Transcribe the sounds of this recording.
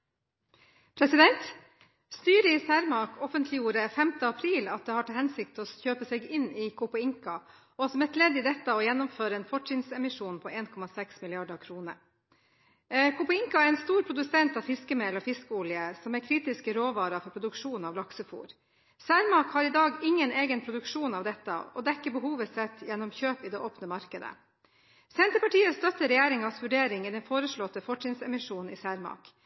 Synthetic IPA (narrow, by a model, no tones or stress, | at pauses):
pʰɾɛsɪd̪ɛnt̪ | st̪yːɾəɪsæːɾmɑkʰɔfənt̪ʰlɪjuːɾəfɛmt̪əɑpʰɾiːlɑt̪̚d̪eːhɑʈʰɑːhɛnsɪkt̪ɔːçøːpəsɛːɡɪnɪkʰʊpɑɪŋkɑ | ɔsɔmɛt̪ʰleːd̪ɪd̪ɛt̪ːəɔːjɛnːɔmføːɾəeːnfɔʈt͡ʃɪnsɛmɪʂuːnpʰɔːʔeːnkʰɔmɑsɛksmɪlɪɑɖɑkʰɾuːnə | kʰʊpəɪŋkɑæɾɛːnst̪uːɾpʰɾʊd̪ʉsɛnt̪ɑːʋfɪskəmeːlɔːfɪskəʊljəsɔmæɾkʰɾiːt̪ɪskəɾoːʋɑːɾɑfɔɾpʰɾʊd̪ʉkʂuːnɑʋlɑksəfṵːɾ | sæːɾmɑːkhɑɾiːd̪ɑːɡɪŋːəneːɡənpʰɾʊd̪ʉkʂuːnɑːʋd̪ɛt̪ːə̰ɔ̰d̪ɛkːəbəhuːʋəsɛt̪ːjɛnːɔmçøːpid̪eːʔoːpnəmɑɾkəd̪ə̰ | sɛnt̪əɾpɑʈiːəst̪œt̪ːəɾɛjeːɾɪŋɑsʋʉɖeːɾɪŋiːd̪ɛnfoːɾəʂɭɔt̪əfɔʈt͡ʃɪnsɛmɪʂuːnn̩ḭːsæːɾmɑ̰ːk